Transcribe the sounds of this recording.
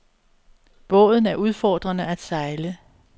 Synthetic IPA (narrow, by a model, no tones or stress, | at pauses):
b̥ɔ̰̽ːð̞ˠn̩æɐʔuð̞ˠfɒːd̥ʁɐnəæd̥sɑ̈ɪlə